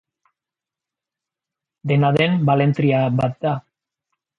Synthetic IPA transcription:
d̪e̞naðe̞mbale̞nt̪ɾiabat̪̚d̪a

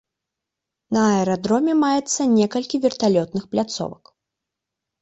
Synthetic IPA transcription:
nɐɛɾad̪ɾɔmʲɛmajɛt̪sːɐnʲɛkɐlʲkʲivʲɛrt̪alʲɔt̪̚nɨxplʲat̪sɔ̰vɐ̰k

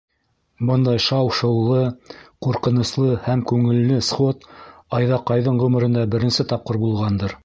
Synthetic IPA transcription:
bɤnd̪ɑjʃɑwʃɤ̆wlˠɤquɾqɤ̆nŏslˠɤhæmkʉŋɘ̆lːɘsχot̪ɑjðɑqɑjðɤɴʁɵmɘ̆ɾɘ̆nd̪ɑbɘ̆ɾɘ̆nsɘt̪ɑp̚qɤɾbulˠʁɑnd̪ɤɾ

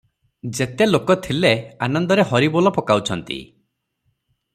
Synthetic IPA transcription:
d͡ʒet̪elokɔt̪ʰileanɔnd̪ɔɾeɦɔɾibɔlɔpɔkawt͡ʃʰɔnt̪ḭ

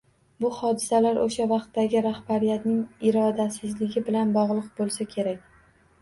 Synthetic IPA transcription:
bʊhɒd̪ɪsalaɾʔoʃavɑqt̪ːaɡʲɪɾahbaɾijat̪nɪŋɪɾɒd̪asɪzlɪɡʲɪbɪlanbɒʁlˠɨq̚bolˠsakʲʰe̞ɾakʲ

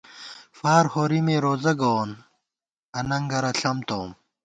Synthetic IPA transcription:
faːɾhoːɾimeːɾoːzɐɡoːn | ɐnɐŋɡɐɾɐɬʰɐmt̪oːm

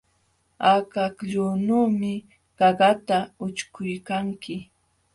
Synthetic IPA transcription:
akakʎuːnuːmɪ | ɢ̥ɑɢat̪aʊt͡ʃkʊjkaŋkɪ

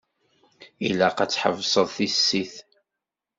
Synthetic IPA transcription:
ilæqæt͡sːħə̰vsˤəðˤθisːiθ

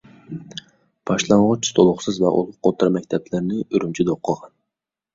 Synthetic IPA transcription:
b̥ɑʃlˠɑɴʁʊt͡ʃst̪ʰolˠʊχsɨzvɛʔo̰lˠʊqʰːot̪ʰːɾɑmɛk̚ʲt̪ʰɛblɪɾnɪyɾynt͡ʃʰid̪oqʰːəʁɑn

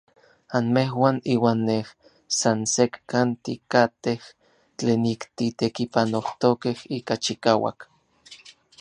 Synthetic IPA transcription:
anmeɦwaniːwaːnːeh | sansekkant̪ikat̪eh | t͡ɬeːnikt̪it̪ekipanoht̪okehiːkat͡ʃikaːwa̰k

